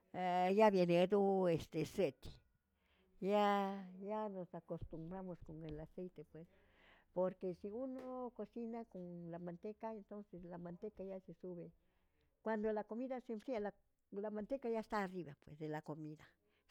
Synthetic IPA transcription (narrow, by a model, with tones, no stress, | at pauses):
ja˦βje˧ne˧d̪o˦est̪e˨se˦t̪i̥˨ | ja˦ja˦no˨sako˨st̪u˨mbɾa˦mo˧sko˨ŋe˨la˨se˦jt̪e˧pwe˨s | po˨ɾke˧si˧u˦no˦ko˧si˦na˦ko˨ŋla˨ma˨nt̪e˦ka˦e˨nt̪o˦nse˧slama˨nt̪e˦ka˧ja˦se˧su˦βe˧ | kwa˨nd̪o˨la˧ko˧mi˦ða˦se˧mpɾi˦a˦la | la˨ma˨nt̪e˦ka˦ja˦st̪aː˦˧ri˦βa˨pwḛ˨sd̪e˨la˨ko˨mi˦ða